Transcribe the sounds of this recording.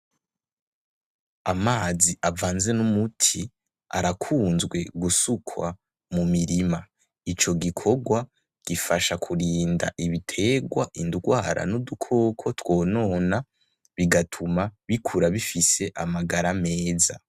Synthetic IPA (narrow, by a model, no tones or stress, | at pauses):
amaːziʔavaːnze̞numutʰi | a̰ɾakʰuːnzɡwe̞ɡusukʰwa | mumiɾima | it͡ʃo̞ɡikʰo̞ɡwa | ɡ̥ifaʃakʰuɾiːnda̰ʔiβitʰe̞ɡwaʔinduɡwaːɾa̰nudukʰo̞ːkʰo̞two̞ːno̞ːna | βiɡatʰumaβikʰuɾaβifise̞ʔamaɡaɾame̞ːza